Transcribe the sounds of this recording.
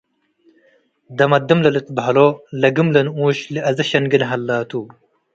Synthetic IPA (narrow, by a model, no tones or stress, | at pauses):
d̪ɐmɐd̪imlɐlit̪̚bɦɐloːlɐɡimlɐnũːɕliʔɐzɐɕɐnɡinɦɐlːaːt̪uː